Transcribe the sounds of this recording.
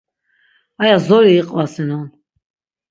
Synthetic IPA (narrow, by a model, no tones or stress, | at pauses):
ajazɔɾiːqʼvasɛnɔn